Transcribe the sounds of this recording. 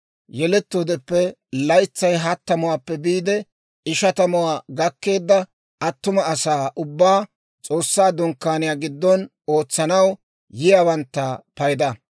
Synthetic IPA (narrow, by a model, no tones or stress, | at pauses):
jɛlɛt̪ːoːd̪ɛpːɛ | lɐjt͡sːɐjɦɐt̪ːɐmʊwaːpːɛbiːd̪ɛ | ɪʃɐt̪ɐmʊwaːɡɐkːe̞ːd̪ːɐ | ɐt̪ːʊmɐːsaːʔʊbːaː | t͡sʼo̞ːsːaːd̪ʊŋkːaːnɪjaːɡɪd̪ːɔn | o̞ːt͡sːɐnɐw | jɪjaːwɐnt̪ːɐpɐjd̪ɐ